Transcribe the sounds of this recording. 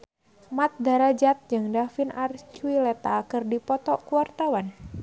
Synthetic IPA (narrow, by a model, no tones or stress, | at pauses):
mat̪̚daɾad͡ʒat̪̚d͡ʒɨŋdafinʔart͡ʃuilɛt̪akɨrdipɔt̪ɔkuwart̪awan